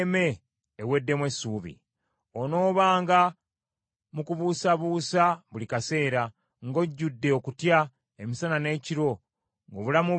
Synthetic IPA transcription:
me̞ː | we̞dːe̞mwesuːβḭ | ono̞ːβaːŋɡa | mukuβuːsaβuːsaβulikase̞ːɾa | ŋɡo̞ɟːudːe̞okutja | emisanane̞ːciɾo̞ | ŋɡoβulamu

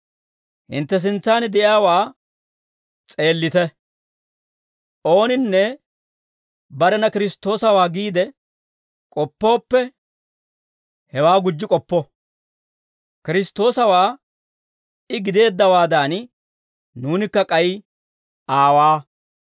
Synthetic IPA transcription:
hɪ̰nt̪ːɛs̬ɪnt͡sːaːnɪd̪ɛʔjaːwaː | t͡sʼe̞ːlːɪt̪ɛ | ʔo̞ːnɪnːɛ | bɐɾɛnɐkɪɾɪst̪ːo̞ːsɐwaːɡiːd̪ɛ | kʼɔpːo̞ːpːɛ | hɛwaːɡʊd͡ʒːɪkʼɔpːɔ | kɪɾɪst̪o̞ːsɐwaː | ɪɡɪd̪e̞ːd̪ːɐwaːd̪aːn | nuːnɪkːɐkʼɐj | ʔaːwaː

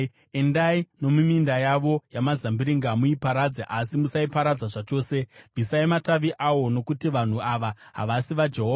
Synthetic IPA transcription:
e̞ndaino̞mumindajaʋo̞jamazambiɾiŋɡamuipaɾad͡zaʔasimusaipaɾad͡zaʐat͡ʃo̞ːse̞b͡visaimataʋiʔawo̞no̞kutiʋan̤uaʋaɦa̰ʋasiʋad͡ʒe̞ɦoːa

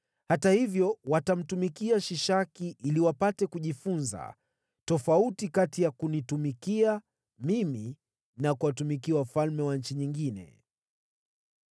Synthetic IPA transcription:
hatahivjɔwatam̩tumikiaʃiʃakiʔiliwapatɛkuʄifunza̰ | tɔfautikatijakunitumikia | mimi | nakuwatumikiwafalmɛwaɲ̩t͡ʃiɲiŋɡinɛ̰

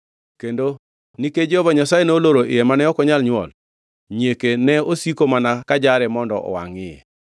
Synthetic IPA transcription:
kendo | niked͡ʒeɔbaɲasajenooloɾoʔɪ̰jɛmanɛɔkɔɲalɲwɔ̰l | ɲekenɛosikomanakad͡ʒaɾɛmɔndɔ̰ʔɔ̰wa̰ŋɪjɛ̰

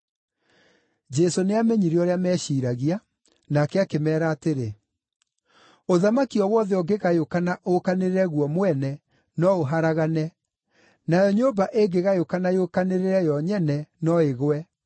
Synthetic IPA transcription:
d͡ʒɛsoneameɲiɾiɔɾeamɛɕiːɾaɣia | nakɛakemɛːɾaːteɾe | oðamakiɔwɔðɛɔɡeɣajokanaʔokaneɾeɾɛɣwɔmwɛnɛ | nɔoɦaɾaɣanɛ | najɔɲobaʔeɡeɣajokanajokaneɾeɾɛjɔɲɛnɛnɔeɣwɛ

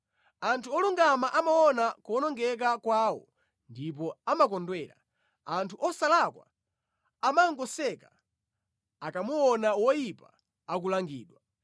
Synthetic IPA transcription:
antʰuɔluŋɡamaʔamawɔnakɔnɔŋɡɛk̬akwaːwɔ̰ | ndip̬ɔamak̬ɔndwɛːɾa̰ | antʰuʔɔsalakwa̰ | amaŋɡɔsɛka | akamuwɔnawɔjipa̰ː | k̬ulaŋɡiːɗwa

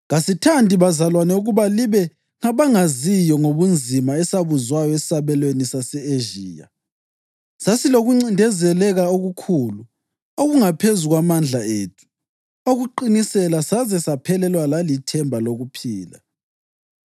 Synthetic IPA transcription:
ŋasitʰandʱiβazalwanɛuɣuβaliβɛ | ŋaβaŋazijɔŋoβund͡zʱimaɛsaβuzwajɔɛssaβɛlwenisasɛeʒiːja̰ | sasiloɣuŋ͡ǀindʱɛzɛlɛɣaoɣukʰuːlu | oɣuŋapʰezuɣwamand͡ɮʱaeːtʰu̥ | oɣuǃinisɛlasazɛsapʰɛlɛlwalalitʰɛmbʱaloɣupʰiːla̰

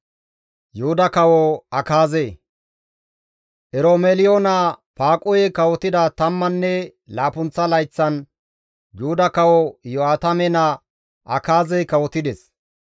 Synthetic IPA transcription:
jʊhʊd̪ɐkɐwɔɐkaːze | ʔɛɾomelɪjoːnapaːkʼʊjɛkɐwɔt̪ɪd̪ɐt̪ɐmːɐnːɛlaːpʊnt͡sːɐlɐjt͡sːɐn | jʊhʊd̪ɐkɐwɔjɔaːt̪ɐmɛnɐ | ʔɐkaːzɛjkɐwɔt̪ɪd̪ɛs

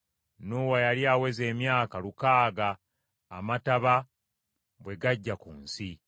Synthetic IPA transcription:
nuwajaliaːwe̞ze̞ːmjaːkalukaːɡaː | mataβa | bwe̞ɡaɟːakṵːnsi

